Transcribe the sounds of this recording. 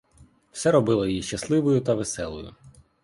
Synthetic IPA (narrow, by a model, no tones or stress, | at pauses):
w̥sɛɾɔbɪlˠɔjjiʃt͡ʃɐslˠɪʋʊjʊt̪ɐʋesɛlˠɔ̰jʊ̰